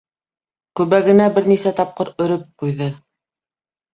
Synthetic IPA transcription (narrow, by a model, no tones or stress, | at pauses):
kʉβæɡɘ̆næbɘɾnisæt̪ɑp̚qɤɾɵ̆ɾɵp̚qujðɤ